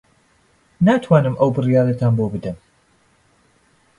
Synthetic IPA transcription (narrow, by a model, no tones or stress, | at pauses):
naːt̪ʰwaːnɨmʔɐwbɨrijaːɾɐt̪ʰaːnbobɨd̪ɐm